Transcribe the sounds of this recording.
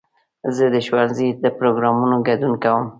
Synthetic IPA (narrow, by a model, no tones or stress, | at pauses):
zəd̪əʃwanzid̪əpɾoɡɾɑmunoɡad̪unkawəm